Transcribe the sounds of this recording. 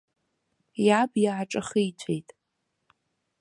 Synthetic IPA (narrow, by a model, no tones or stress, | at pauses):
jabjaaʈ͡ʂʼɨχɨjt͡ɕʷʰejtʼ